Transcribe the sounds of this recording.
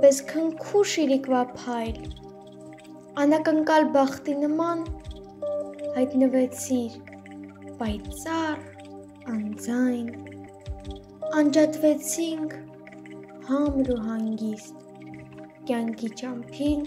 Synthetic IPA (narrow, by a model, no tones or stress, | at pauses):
bɛskʰəŋkʰuʃiɾikvɑpʰɑjl | ɑnɑkəŋkɑlbɑχt̪inəmɑn | hɑjt̪nəvɛt͡sʰiɾ | pɑjt͡sɑr | ɑnd͡zɑjn | ɑnd͡ʒɑt̪vɛt͡sʰiŋkʰ | hɑmɾuɦɑŋɡist̪ | kʲjɑŋkʰit͡ʃɑmpʰin